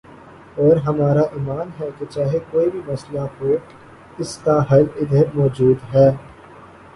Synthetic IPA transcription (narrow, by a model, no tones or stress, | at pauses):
ɔːɾɦɐmaːɾaʔiːmaːnɦɛket͡ʃaːɦekoːibʱimɐslaɦoː | ɪskaɦɐlɪd̪ʱemɔːd͡ʒuːd̪ɦɛː